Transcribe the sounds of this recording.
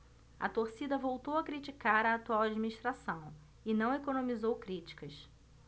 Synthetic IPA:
ɐ̰t̪oɾsid̪ɐvowt̪owɐkɾit͡ʃikaɾɐːt̪uawad͡ʒiminiʃt̪ɾasɐ̃w̃ | ɪnɐ̃w̃ekonõmizowkɾit͡ʃi̥kɐs

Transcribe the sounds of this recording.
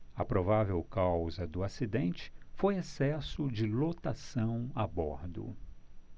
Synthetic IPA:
ɐpɾovavewkawzɐd̪ʊasid̪ẽnt͡ʃɪ̥fojesɛsʊd͡ʒɪlot̪asɐ̃w̃abɔɾd̪ʊ̰

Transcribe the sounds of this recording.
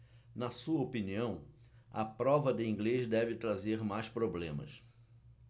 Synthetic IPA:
nɐsuɐopiniɐ̃w̃ | ɐ̰pɾɔvɐd̪ɪĩŋɡlezd̪ɛvɪt̪ɾazeɾmajspɾoblẽmɐ̰s

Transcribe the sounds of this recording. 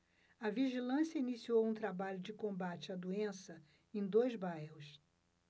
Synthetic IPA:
ɐviʒilɐ̃sjɐinisiowũt̪ɾabaʎʊd͡ʒɪkõbat͡ʃɪɐd̪uẽsɐ | ẽj̃d̪ojzbajhʊs

